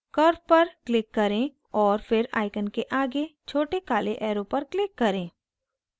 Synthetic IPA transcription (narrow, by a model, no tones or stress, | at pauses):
kɐɾpɐɾklɪkːɐɾẽ | ɔːɾfɪɾa̰ːɪkənkeʔaːɡet͡ʃʰoːʈekaːleʔɛːɾopɐɾklɪkːɐɾẽː